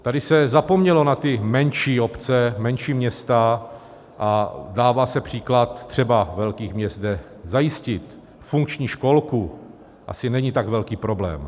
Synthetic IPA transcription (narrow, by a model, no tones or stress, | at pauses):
t̪adɪsɛzapo̞mɲɛlo̞nat̪ɪmɛnʃiːo̞pt͡sɛmɛnʃiːmɲɛst̪a | ʔadaːvaːsɛpr̝̥iːklat̪ːr̝̥ɛbavɛlkiːxmɲɛsdɛ | zajɪscɪt̪ | fuŋk̚t͡ʃɲiːʃko̞lku | ʔa̰sɪnɛɲit̪aɡvɛlkiːpɾo̞blɛ̰ːm